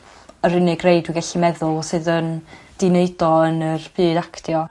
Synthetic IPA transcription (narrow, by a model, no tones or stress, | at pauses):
əɾɪnɪɡrejdwɪɡaɬimɛðʊlˠsɨːðən | d̥ɪneɨdɔənərb̥ɨːdakʰtʰjɔ